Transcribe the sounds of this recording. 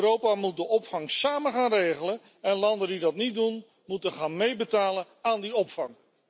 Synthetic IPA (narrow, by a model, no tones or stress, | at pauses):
rowpaːmut̚dəʔɔpfɑŋsaːməχaːnrejχələn | ɛnlɑndəndidɑtnit̚dun | mutənχaːnmejbətaːlən | aːndiɔpfɑŋ